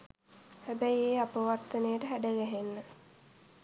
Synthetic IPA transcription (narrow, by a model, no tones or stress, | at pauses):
hæbæieːapəʋart̪ənejəʈəɦæɖəɡæɦenːə